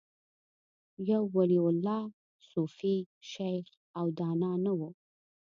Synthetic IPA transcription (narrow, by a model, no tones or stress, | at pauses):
jawːaliʊlːɑ | sufiʃajx | awd̪ɑnɑnawu